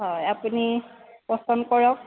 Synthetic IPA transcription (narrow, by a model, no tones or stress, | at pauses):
ɦɔjapunipɔstɔnkɔɹɔk̚